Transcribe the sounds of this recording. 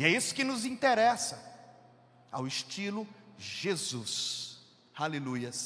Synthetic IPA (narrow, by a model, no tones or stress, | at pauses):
ɪɛisʊ̥kɪnʊzĩt̪eɾɛsɐ | a̰wɪʃt͡ʃilʊʒezus | halelujɐs